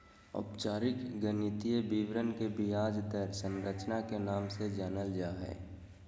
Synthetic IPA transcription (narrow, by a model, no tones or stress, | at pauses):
ɔ̰pt͡ʃaːɾɪkɡənɪt̪ijəbiːʋɾənkebijaːd͡ʒd̪əɾsə̃nɾət͡ʃnakenaːmsed͡ʒaːnəld͡ʒaːɦɛ̰ː